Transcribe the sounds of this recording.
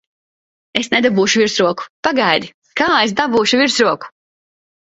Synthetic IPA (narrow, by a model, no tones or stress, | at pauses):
esned̪abuːʃuvʲiɾsɾuɔku̥paɡajd̪i | kaːes̬d̪abuːʃuvʲiɾsɾuɔku̥